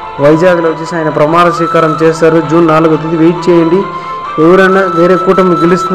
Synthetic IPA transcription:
ʋɐjd͡ʒaːɡlɐʋɐt͡ʃːesiaːjɐnɐpɾɐmaːɾɐʃʋiːkaːɾɐmt͡ʃeːsaːɾud͡ʒuːnːaːluɡɐt̪ːid̪iʋeːʈ̚t͡ʃɛːjɐɳɖi | eʋɐɾɐnːaʋeːɾeːkuːʈɐmiɡelist̪un

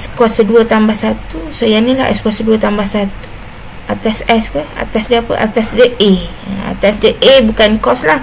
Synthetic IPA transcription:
skɔsəduət̪ambasat̪usəjanilaɛ̰skasəduət̪ambasat̪u̥ | at̪asɛskəa̰t̪asdəapə̰ʔa̰t̪asdəʔe | a̰t̪asdəʔebukankɔslah

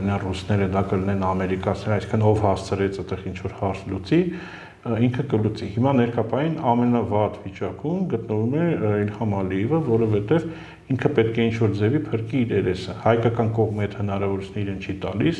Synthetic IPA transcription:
nɑrusnɛɾəd̪ɑkəlinɛnɑmɛɾikɑt͡sʰnɛɾɑjsi̥ŋkʰənɔvhɑst͡sʰəɾɛt͡sət̪ɛʁint͡ʃʰvɔɾhɑɾt͡sʰlut͡si | iŋkʰəkəlut͡sihimɑnɛɾkʰɑpɑjinɑmɛnɑvɑt̪vit͡ʃɑkumɡət̪nəvumɛilhɑmɑliɛvəvɔɾɔvɛt̪ɛv | iŋkʰəpɛt̪̚kʰɛint͡ʃʰvɔɾd͡zɛvipʰəɾkiːɾɛɾɛsəhɑjkɑkɑnkɔʁmihɛt̪hənɑɾɑvɔɾut͡sʰunɛiɾɛnt͡ʃʰit̪ɑ̰lis

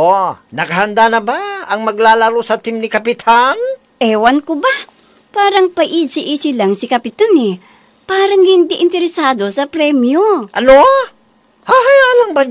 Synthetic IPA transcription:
ʔonɐkɐhɐnd̪anɐbaɐŋmɐɡlaːlaɾosɐt̪ɪmnɪkɐpɪt̪ʰan | ʔɛwankʊba | paːɾɐŋpɐʔisɪʔisɪlaŋsɪkɐpɪt̪anɛ | paːɾɐŋhɪnd̪iʔɪnt̪ɛɾɛsaːd̪o̞sɐpɾɛmjoʔɐno | haɦajalaŋba

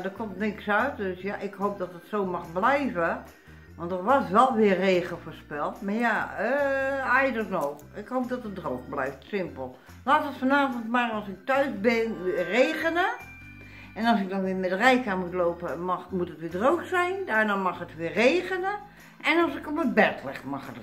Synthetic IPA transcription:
dɔkʰomtnɪkksœɥtdøsjaʔɪkɦoːp̚dɔtətsoːmaxblɛjvə | ʋɔ̃ntərʋɔsʋɛlˠʋɪərːeːɣəlfəːrspɛlˠtmarjaəajdɔtno | ɪkhoːp̚dɔtət̚droːkblɛjftsɪmpəlˠ | laːtətfɔnaːvəntmarɑlˠsɪk̚tœɥzbɪnʋɪəreːɣənə | ɛnɔlˠsɪknɔxʋɪːəmɛdərɛjkamutloːpəmɔmutətʋɪːdrowksɛjndaːrnaːmɑxətʋɪːreːɣənə | ɛnɔlˠsɪkopət̚bɛtʰlɛ̰xmɑxət

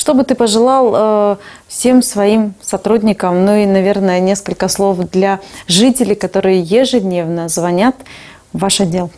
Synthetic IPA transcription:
ʂt̪o̞bɨt̪ɨpəʐɨlˠɑlˠəfsʲe̞msvɐimsɐt̪ɾudʲnʲɪkəmnuinɐvʲe̞rnəjənʲe̞skəlʲkəslˠo̞fd̪lʲaʐɨtʲɪlʲɪkɐt̪o̞ɾɨjəjɪʐɨd̪ʲnʲevnəzvɐnʲat̪ | vaʂɐdʲːe̞lˠ

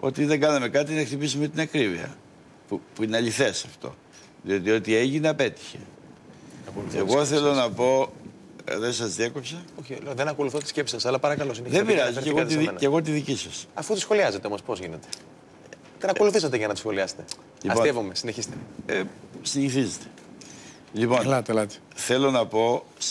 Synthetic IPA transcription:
o̞̰t̪iðeŋɡɐnɐme̞kɐt̪inɐxt̪ipisimet̪inɐkɾiviɐ̰ | pupuineɐʎiθe̞sɐft̪o̞̰ | ðio̞t̪io̞t̪ie̞ʝineɐpe̞t̪i̥çḛ | ɐkolθḛɣo̞θelo̞nɐpo̞ | ðesɐzðieko̞psɐoçiðenɐko̞luθot̪i̥scepsi̥sɐsɐlɐpɐɾɐkɐlosineðebiɾɐziɾeɣoðiðimeneɣo̞t̪iðicisɐsɐfut̪isxo̞liɐzet̪eomo̞spo̞zʝinet̪e̞̥ | t̪enɐko̞luθisɐt̪eʝɐnɐt̪i̥sxo̞liɐse̥t̪e̞ | ʎiɐpoievome̞sineçist̪eesiɲiθizet̪e | lipo̞nlɐt̪elɐt̪ | θe̞lo̞nɐpo̞

